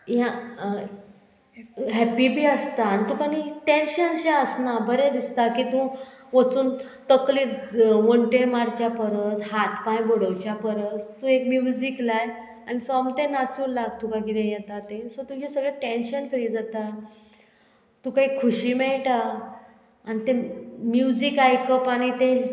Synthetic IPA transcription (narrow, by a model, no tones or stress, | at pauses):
jã | ɦæpibʱiːəst̪anit̪ũkaniʈẽnɕənɕeəsnabəɾɛ̃d̪ist̪akiːt̪ũ | ʋət͡suːnt̪əkliʋəɳʈeɾmaɾt͡ɕjapəɾət͡shat̪pãjboɽəwt͡ɕjapəɾət͡st̪ũekmjud͡ziklaj | anisɔamt̪ẽnat͡sulaɡ̚t̪ukakiɾẽjɛt̪at̪esot̪ũd͡ʑisəɡɭeʈenɕənfɾiːd͡zat̪a | t̪ũkaɦikʰuɕiːmɛɭʈa | anit̪emjud͡ʑikajkəpañit̪ẽ